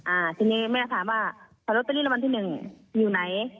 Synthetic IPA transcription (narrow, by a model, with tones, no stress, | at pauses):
ʔaː˨˩t̪ʰi˧niː˧ma˥˩˨a˧t̪ʰaː˨˦waː˧˥˩ | sʰa˧lu˦t̪a˧liː˥˨la˧wa˧nt̪ʰiː˥˧˩nɯ˨˩ŋ | juː˨˩na˨˦j